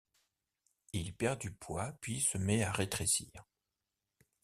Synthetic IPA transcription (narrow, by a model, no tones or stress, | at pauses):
ilpɛʁd̪ypwapɥisəmɛaʁet̪χeʃḭːʁ